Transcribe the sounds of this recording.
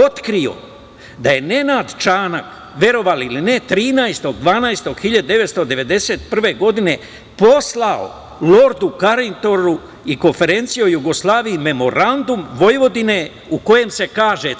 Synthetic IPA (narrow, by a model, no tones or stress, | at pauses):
ot̪kɾio̞̰ | d̪aje̞ne̞naːd̪t͡ʃaːnak | ʋe̞ɾo̞ʋaliline̞t̪ɾiːnajst̪o̞ɡd̪ʋaːnajst̪o̞ɡxiʎad̪ud̪e̞ʋest̪o̞d̪e̞ʋe̞d̪e̞se̞ːt̪pr̩ʋe̞ɡo̞d̪ine̞ | po̞slˠao̰ | lo̞ɾd̪ukaɾint̪o̞ɾu | iko̞nfe̞ɾe̞nt̪siojuɡo̞slˠaːʋiːme̞mo̞ɾand̪umʋo̞jʋo̞d̪ine̞ | uko̞je̞mse̞kaːʒe